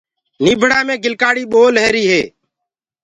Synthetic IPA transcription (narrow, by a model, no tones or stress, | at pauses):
niːbʱɽaːmẽːɡɪlkaːɽiːɓoːləːɾiːɦeː